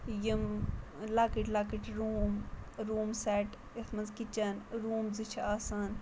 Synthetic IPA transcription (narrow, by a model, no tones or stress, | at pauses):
jimlaːkiʈlaːkiʈɾuːmɾuːmsɛːʈ | et̪ʰmɐnzkit͡ʃɐnɾuːmzit͡ʃʰaːsaːn